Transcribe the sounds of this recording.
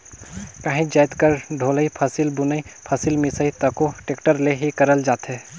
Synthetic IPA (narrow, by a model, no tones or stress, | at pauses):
kaːɦĩd͡ʒaːɪt̪kəɾɖʱoːləipʰəsilbʊnəipʰɐsilmɪsəit̪əkoʈeːkʈəɾleɦikəɾəld͡ʒaːt̪ɦɛ